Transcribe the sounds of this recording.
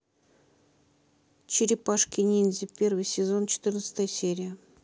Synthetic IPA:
t͡ɕɪɾʲɪpaʂkʲɪnʲinʲzʲɪpʲervɨjsʲɪzont͡ɕɪ̥t̪ɨrnət̪sə̥t̪əjəsʲeɾʲɪjə

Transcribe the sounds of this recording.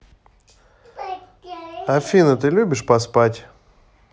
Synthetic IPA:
afʲinət̪ɨlʲubʲɪʂpɐspatʲ

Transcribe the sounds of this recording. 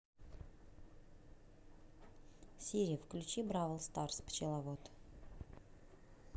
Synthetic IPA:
sʲiɾʲɪjəfklʲʉt͡ɕibɾavəlˠst̪arspt͡ɕɪlˠɐvot̪

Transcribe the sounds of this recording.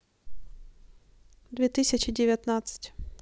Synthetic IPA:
d̪vʲɛt̪ɨsʲɐt͡ɕɪdʲɪvʲat̪nat̪sɨ̥tʲ

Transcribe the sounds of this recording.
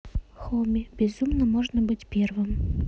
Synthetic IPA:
xomʲɪbʲɪzumnəmoʐnəbɨtʲpʲervɨm

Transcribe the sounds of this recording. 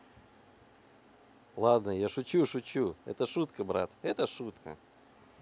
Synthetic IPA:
lˠad̪nəjaʂʊt͡ɕuʂʊt͡ɕuɛ̰t̪əʂut̪kəbɾa̰t̪ɛt̪əʂut̪kə̰

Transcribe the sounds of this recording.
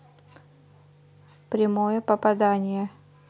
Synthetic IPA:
pɾʲɪmojəpəpɐd̪anʲɪjə

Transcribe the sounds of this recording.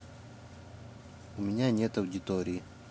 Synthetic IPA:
umiɲaːɲet̪ɐwd͡ʑit̪oːɾi

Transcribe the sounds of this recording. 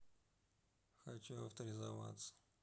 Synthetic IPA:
xɐt͡ɕuɐ̰ft̪əɾʲɪzɐva̰t̪sə̥

